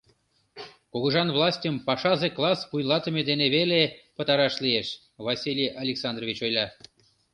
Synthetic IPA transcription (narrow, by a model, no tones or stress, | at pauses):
koɣə̆ʒɑnvlˠɑsʲtʲəmpɑʃɑzeklˠɑspujlɑt̪ə̆med̪eneβelepət̪ɑɾɑʃlieʃ | βɑsʲilʲijɑlʲeksɑnd̪rovʲit͡ɕojlʲɑ